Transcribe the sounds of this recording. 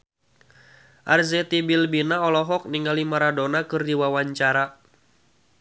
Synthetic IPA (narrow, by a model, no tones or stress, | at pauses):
ʔarzɛt̪ibilbinaɔlɔɦɔk̚niŋalimaɾadonakɨrdiwawaɲt͡ʃaɾa